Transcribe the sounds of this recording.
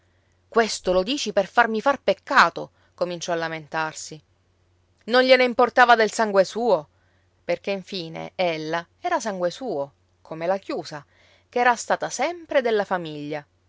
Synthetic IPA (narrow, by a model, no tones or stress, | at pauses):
kwest̪olod̪iːt͡ʃiperfarmifarpekːaːt̪o | komint͡ʃɔalːament̪arsi | nonʎeneimport̪aːvad̪elsaŋɡwesuːo | perkeiɱfiːnḛelːa | ɛːɾasaŋɡwesuːo | kʰomelakjuːsa | keɛːɾast̪aːt̪asɛmpɾed̪elːafamiʎːa